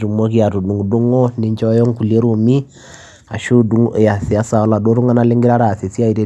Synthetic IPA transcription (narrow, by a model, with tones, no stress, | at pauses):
ɾu˨mɔ˦ki˦a˨ɾu˨du˨ŋɡu˨du˦ŋɔ˦ni˨ɲt͡ʃɔ˦jɔ˦ŋ˦ku˨le˦ɾu˨mi˦ | a̰˨ʃu˦du˨˦ŋ˦˨ja˨si˨a˦sa˨ɔ˦la˨do˦ɾu˦ŋa˦na˦le˦ŋɡi˦ɾa˦ɾa˨se˨si˦a˦i˨ɾe˦